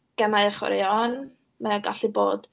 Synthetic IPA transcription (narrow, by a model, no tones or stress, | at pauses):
ɡ̥ɛmajəχwɛ̰ɾjɔn | mɛɔɡa̰ɬibo̰ːd̥